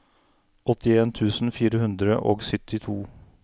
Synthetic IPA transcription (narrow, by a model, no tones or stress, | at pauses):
ʔɔt̪ɪeːnt̪ʰʉːsn̩fiːɾəhʉnd̪ɾə̰ʔo̰ːɡsʏt̪ɪt̪ʰuː